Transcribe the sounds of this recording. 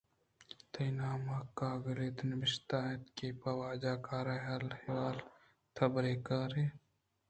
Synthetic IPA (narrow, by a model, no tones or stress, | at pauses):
t̪ɐjnaːmaːkːaːɡɐleːt̪nɐbɪʃt̪aːet̪keːpɐwaːd͡ʒaːkaːɾaːɦalhewaːl | t̪ʰɐbɾeːkaːɾeː